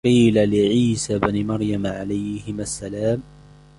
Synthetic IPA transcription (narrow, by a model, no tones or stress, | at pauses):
qiːlalɪʕiːsabanɪmɑɾˤjamʕalajhɪmasːalaːm